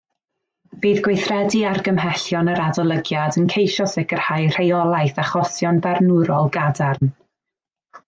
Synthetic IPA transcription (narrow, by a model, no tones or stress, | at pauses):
b̥iːðɡwejθrɛdiarɡəmɦɛɬjɔnəɾadɔlˠəɡjadənkʰejʃɔsɪɡ̥ər̥hajr̥ejɔlˠajθaχɔsjɔnbɛrnʊɾɔlˠɡadarn